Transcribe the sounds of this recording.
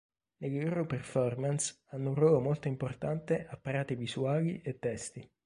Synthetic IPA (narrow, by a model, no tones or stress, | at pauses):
leɡoɾoperfɔrmans | anːourwɔːlomolt̪oimport̪ant̪eʔapːaɾaːt̪ivizuaːliʔet̪ːɛst̪i